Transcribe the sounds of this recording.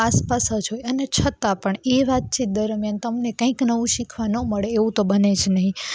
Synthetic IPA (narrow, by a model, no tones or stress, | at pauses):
aspasad͡ʒojənet͡ʃʰət̪apəɳeʋat̪̚t͡ʃʰit̪̚d̪əɾmjant̪əmnekə̃ĩknəʋũʃikʰʋanoməɭeːʋũt̪obəned͡ʒʰnəɦĩ